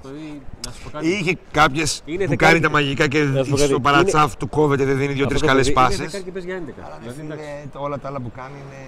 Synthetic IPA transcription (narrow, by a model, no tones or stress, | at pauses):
içekɐpçe̞spukɐnit̪ɐmɐʝikɐceopɐɾɐt͡sɐft̪uko̞ve̞t̪eðeðiniðʝot̪ɾiskɐlespɐsisepezʝɐend̪ekɐɐlɐ | olɐt̪ɐɐlɐpukɐnine